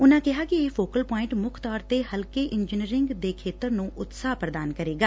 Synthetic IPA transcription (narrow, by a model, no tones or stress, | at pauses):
ʊnãːkɪɦaːkieːfoːkəlpɔːɪ̃ɳʈmʊkʰt̪ɔːɾt̪eːhəlkeːʔɪnd͡ʒiniɾɪŋɡd̪eːkʰeːt̪əɾnũːʔʊt̪saːpɾəd̪aːnkəɾeːɡaː